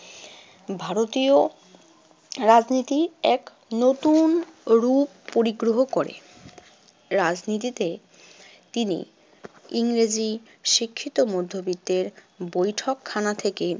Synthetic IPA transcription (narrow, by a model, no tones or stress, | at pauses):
bʱaɾot̪io | ɾad͡ʑnit̪iɛk | not̪unɾupːoɾiɡɾoɦokoɾḛ | ɾad͡ʑnit̪̬it̪e | t̪inḭ | iŋɾed͡ʑi | ʃikʰːit̪omod̪ʱːobit̪ːeɾ | bojʈʰokʰːanat̪ʰeke